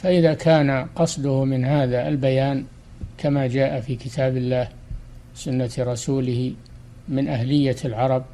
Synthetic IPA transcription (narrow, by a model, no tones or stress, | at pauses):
faʔɪðakʰaːnaqɑsˤd̪ʊhmɪnɦaːðaʔalbajaːn | kʰamad͡ʒaːʔafiːkɪt̪ʰaːbɪlːaːh | wɪsʊnːaɾˤɑsuːlɪh | mɪnʔaɦlɪjːalʕɑɾˤɑb̚